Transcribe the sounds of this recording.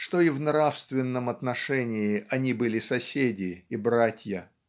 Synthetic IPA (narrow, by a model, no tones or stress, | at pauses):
ʂt̪o̞ivnɾafst̪vʲɪnːəmɐt̪nɐʂɛnʲɪɪɐnʲibɨlʲɪsɐsʲedʲɪːbɾatʲjə